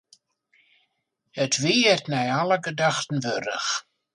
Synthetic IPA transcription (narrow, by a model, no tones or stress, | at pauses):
ətʰʋiːərtnɛjaləɡədaxtən̩ʋøɾə̰x